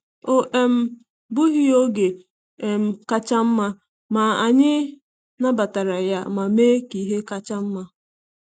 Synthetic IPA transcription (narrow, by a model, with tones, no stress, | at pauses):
o˦ʔe˨m̩˨ | bʊ˦ɦi˦o˦ɡe˨ | e˨m̩˨˦ka˦t͡ʃa˦m̩˦ma˦ | ma˨a˨ɲɪ˦ | na˦ba˨ta˨ɾa˨ja˦ma˨meː˦ki˨ɦe˦ka˦t͡ʃa˦m̩˦ma˦